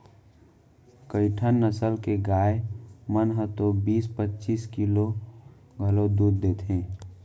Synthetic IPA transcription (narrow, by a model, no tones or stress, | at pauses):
kəɪʈʰənːəsəlkeɡaːemənɦət̪obiːspətːt͡ʃiːskilo | ɡʱəlod̪uːd̪ːeːt̪ɦẽː